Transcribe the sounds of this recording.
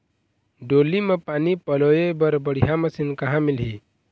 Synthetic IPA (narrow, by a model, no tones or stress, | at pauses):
ɖoːlimepaːnipəlojebəɾbəɽ̤ijaməsinkəɦãmɪlɦi